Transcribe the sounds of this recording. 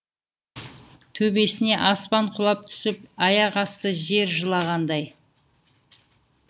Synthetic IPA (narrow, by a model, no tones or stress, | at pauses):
t̪ʰɵbe̞sɪne̞ʔɑspɑɴqʰʊlˠɑp̚t̪ʰʏ̥sɪp̚ɑjɑʁɑst̪əʒe̞ɾʒəlˠɑʁɑnd̪ɑj